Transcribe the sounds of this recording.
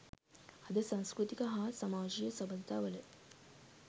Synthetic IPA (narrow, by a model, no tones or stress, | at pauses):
ɐd̪əsãnskɾut̪ikəɦaːsamaːd͡ʒijəsɐbəd̪t̪aːʋələ